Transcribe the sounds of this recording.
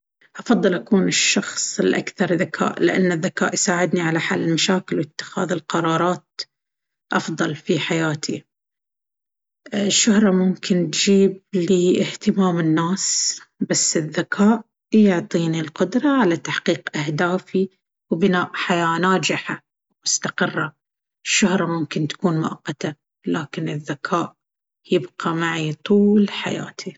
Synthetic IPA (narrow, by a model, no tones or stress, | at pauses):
ʔɑfɑðˤːɨlʔakuːnɪʃːɑxsˤɪlʔa̰kθɑɾˤðakʰa̰ːʔlɪʔa̰nːɪðːaka̰ːʔjsaːʕɪd̪niʕalaħalːɪlmaʃaːkɪlwɪt̪ːɪ̥xa̰ːðɪlqɑɾˤɑːɾˤɑːt̪̚ | ʔɑfðˤɑlfiħajaːt̪ʰi | ʃːʊhɾˤɑmʊmkɪnt̪d͡ʒiːb̚liɪht̪ɪmaːmɪnːaːsbasːɪðːakʰaːʔ | jʊʕt̪ˤiːnilqʊd̪ɾˤɑʕalat̪aħqiːqʔahd̪aːfi | wbɪnaːʔħajaːnaːd͡ʒɪħa | mʊst̪aqɪrˤːɑ | ʃːʊhɾˤɑmʊmkɪnt̪ḁkuːnmʊʔɑqːɑt̪a | laːkɪnɪðːakʰaːʔ | jɪbqɑmaʕit̪ˤuːlħa̰ja̰ːt̪ʰi